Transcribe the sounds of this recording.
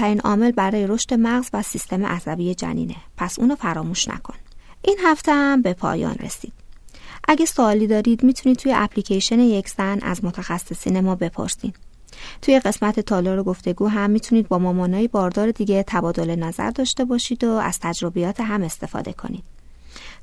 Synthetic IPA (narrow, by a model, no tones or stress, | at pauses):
æɾiːnʔɒ̰ːme̞lbæɾɒːje̞ɾo̞ʃt̪e̞mæɣzvæsist̪e̞mḛʔæzæbiːje̞d͡ʒæ̰nḭːne̞pʰæsʔṵːnofæɾɒːmuːʃnæ̰kʰo̞n | ʔiːnɦæft̪ʰehæmbe̞pʰɒ̰ːjɒ̰ːnrḛsḭːd̪̥ʔæɟæsoːliːd̪ɒːɾiːd̪miːt̪ʰuniːd̪̚t̪ʰujeʔæpʰliːcʰeʃeneje̞cʰz̥ænæ̰zmot̪ʰæxæsːe̞siːne̞mɒːbe̞pʰo̞̰ɾsḭn | t̪ʰuːje̞ɢe̞smæt̪ʰe̞t̪ʰɒːlɒːɾo̞ɡo̞ft̪e̞ɡuːɦæmːiːt̪ʰuniːd̪̚bɒːmɒːmɒːnɒːjibɒːɾd̪ɒːɾe̞d̪iːɟe̞t̪ʰæbɒːd̪o̞le̞næzæ̰ɾd̪ɒːʃt̪e̞bɒːʃiːd̪oæ̰z̥t̪ʰæd͡ʒɾo̞bijɒːt̪ʰeɦæme̞st̪e̞fɒ̰ːd̪e̞̰kʰo̞̰niːd̪̥̚